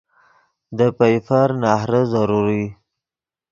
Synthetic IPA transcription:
d̪əpajfaɾnɑhɾəzaɾuɾi

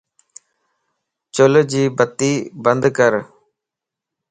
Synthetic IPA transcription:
t͡ʃʊld͡ʒiːbət̪ːiːbənd̪kəɾ

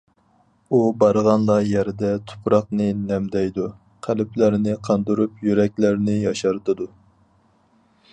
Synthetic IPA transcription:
ubɑɾʁɑnlˠɑjɛɾɪd̪ɛt̪ʰʊ̥pɾɑqnɨnɛmd̪ɛjd̪u | qʰælɪplæɾnɪqʰɑnd̪uɾupjyɾɛkʲlæɾnɪjɑʃɑɾt̪ʰɨd̪u

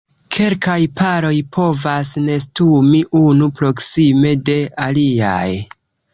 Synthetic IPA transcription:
kʰe̞lkajpaɾo̞jpʰo̞vasne̞stumiʔunupɾo̞ksime̞de̞alia̰j

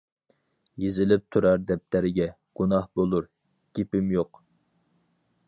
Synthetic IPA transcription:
jezɪlɪp̚t̪ʰuɾɑɾd̪ɛp̚t̪ʰæɾɪɡʲɛ | ɡ̥unɑhbolˠuɾ | ɡ̥ʲepɪmjoq

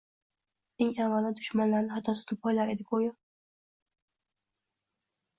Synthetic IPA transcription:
eŋavːalad̪ʊʃmanlaɾnɪɦat̪ʰːɒsɪzapʰɒjlaɾe̞d̪ɪɡojɒ

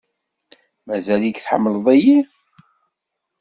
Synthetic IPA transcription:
mæzælikθħə̰mːələðˤæji

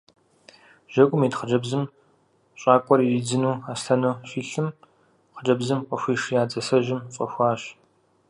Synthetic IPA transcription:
ʒ̥ɐkʷʼʊmiːtχəd͡ʒɐbzɨm | ɕʼɑːkʷʼɔrid͡zɨnuːaːsɬɐnufiːɬɨm | χəd͡ʒɐbzɨmqʷʼɐxʷiːʂjaːt͡sʼɐsɐʒɪmfʼɐ̰xʷɑːɕ

